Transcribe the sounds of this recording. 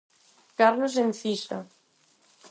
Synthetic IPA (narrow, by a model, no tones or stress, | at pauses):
kaɾlosenθisa̰